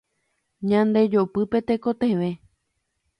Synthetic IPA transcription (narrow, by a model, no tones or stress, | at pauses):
ɲãnd̪e̞d͡ʒopɨpe̞t̪e̞ko̞t̪eʋe̞